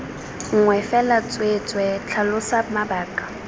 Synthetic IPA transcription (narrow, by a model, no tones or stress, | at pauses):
ŋ̩ŋwɛfɛlat͡sʼwet͡sʼwɛt͡ɬʰalʊsamabaːkʼḁ